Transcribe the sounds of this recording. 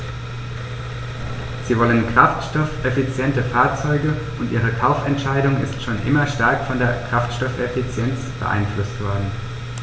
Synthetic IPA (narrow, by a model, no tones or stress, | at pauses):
z̥iːvɔlənkʁ̥aftʃtɔfʔefit͡sjɛntəfaːɐt͡sɔʏɡəʔʊntʔiːʁ̞əkʰaʊfɛntʃaɪdʊŋɪstʃoːnʔɪ̰mɐʃtaɐkfɔndeːɐkʁ̥aftʃtɔfɛfit͡sjɛnt͡sb̥ə̰ʔa̰ɪnflʊstv̥ɔɐdn̩